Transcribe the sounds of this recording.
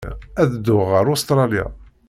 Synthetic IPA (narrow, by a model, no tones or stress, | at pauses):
æðd̪ːʊʁəɾʊst̪ɾˤɑlja̰